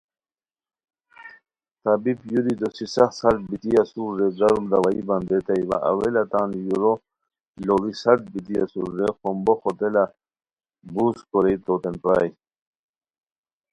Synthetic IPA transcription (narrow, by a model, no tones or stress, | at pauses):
t̪abipjuɾid̪osisɐxsɐɾt̪̚bit̪iɐsuɾːeɡɐɾumd̪awaḭbɐnd̪et̪ajiwa̰ʔɐ̰welat̪aːnjuɾo | loɡisɐɾt̪̚bit̪iɐ̰sṵɾːexomboxot̪ela | buskoɾet̪ot̪enpa̰ːj